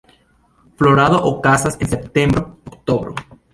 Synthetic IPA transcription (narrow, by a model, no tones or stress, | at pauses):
floɾaðoʔokasasensep̚t̪embɾookt̪oβɾo̰